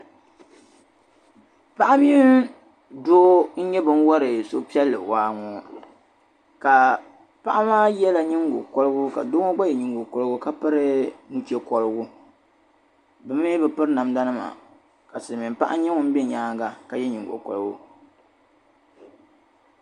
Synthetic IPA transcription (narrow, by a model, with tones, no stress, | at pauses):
pa˦ʔa˦mi˦n˦ | doː˦n̩˦ɲɛ˦bɨ˦n˦wɔ˦ɾɨ˨so̰˦pi˦ɛ˦lːɨ̰˨waː˦ŋɔː˨ | ka˨ | pa˦ʔa˦maː˦jɛ˦la˨ɲɪ˦ŋ˦ɡʊ̰˨kɔ˦lɨ˦ɡʊ˦ka̰˨do˦ŋɔ˦ɡ͡ba˦jɛ˨ɲi˨ŋɡo˨kɔ˨lɨ˦ɡʊ˦ka˦pɨ˦ɾɨ˦nu˨t͡ʃɛ˦kɔ˨lɨ˦ɡʊ˦ | bɨ˦m˦e˦bɨ˨pɨ˦ɾna˨mda˦nɨ˦ma̰˨ | ka˨sɨ˨lɨ˨mi˨m˨pa˦ʔa̰˦ɲɛ˦ŋʊ˦m̩˦bɪ˦ɲaː˦ŋɡa˦ka˨jɛ˦ɲi˨ɡʊ̰˨kɔ̰˨lɡʊ˦